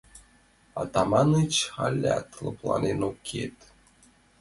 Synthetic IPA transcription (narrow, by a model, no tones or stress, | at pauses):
ɑt̪ɑmɑnɨt͡ɕxɑlʲːat̪lˠɤ̰̆plˠɑ̰nʲenokʲʰet̪